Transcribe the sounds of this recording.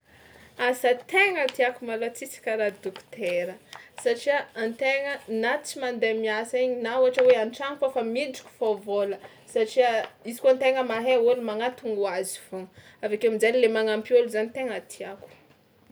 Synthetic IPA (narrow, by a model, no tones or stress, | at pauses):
asət̪eŋət̪iakumalat͡sit͡si̥kʲaɾad̪ukt̪eɾəsaʈ͡ʂiaant̪eŋənat͡simand̪emiasaiɲinauaʈ͡ʂəweaɳʈ͡ʂaŋikofamiɳɖ͡ʐi̥kʲu̥favolə | saʈ͡ʂiəizi̥koant̪eŋəmaɦeolumaŋat̪uŋuazifo | avekeamid͡zanilemaŋampioluzanit̪eŋat̪ʰiaku̥